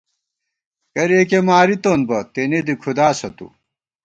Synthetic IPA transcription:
kɐɾeːkemaːɾit̪oːnbɐt̪ened̪ikʰud̪aːsɐt̪ṵ

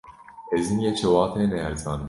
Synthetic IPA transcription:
ɛzinjɛt͡ʃʰɛwɑːt̪ʰɛːnɛɛɾzɑːnɨ

